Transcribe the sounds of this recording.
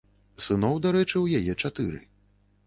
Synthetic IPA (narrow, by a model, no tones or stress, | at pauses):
sɨnɔwd̪aɾɛt͡ʂɨwjajɛt͡ʂat̪ɨɾɨ̰